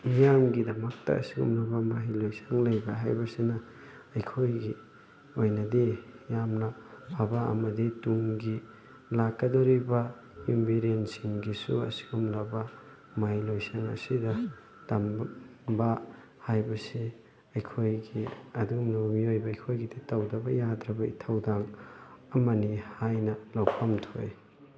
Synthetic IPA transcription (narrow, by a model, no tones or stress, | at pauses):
mijamɡidɐmɐk̚tɐ̰ɐ̰siɡṵmlabɐmaɦilojsaŋlajbaɦajbɐsinɐː | jkʰojɡi | ojnɐdijamnɐpʰabaɐ̰mɐdituŋɡi | lakːɐdoɾibɐ | imbʱiɾensiŋɡisuɐ̰si̥ɡumlabɐ | majlojsɐnɐ̰sidɐ | tɐmba | hajbɐsi | ɐjkʰojɡiɐdumlɐbɐmiojbɐːjkʰojɡiditɐwdɐbɐjadɾɐbɐḭtʰɐwdaŋɐmɐnihajnɐlawpʰɐmtʰoj